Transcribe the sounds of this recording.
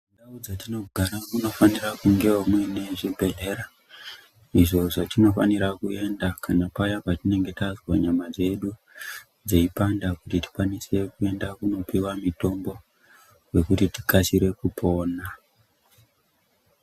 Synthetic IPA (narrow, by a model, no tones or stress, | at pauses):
ndaud͡zatino̞ɡʱaɾakuno̞fanirakuŋɡe̞womwene̞ʐibʱe̞ɮe̞ɾa | iʐo̞ʐotino̞faniɾakue̞ndakʰanapajapatine̞ŋɡe̞tazwaɲamad͡ze̞ɗu | d͡ze̞ipandakutiti̥kwanise̞kue̞ndakuno̞piwamito̞mbo̞ | we̞kutiti̥kasiɾe̞kupʰo̞ːna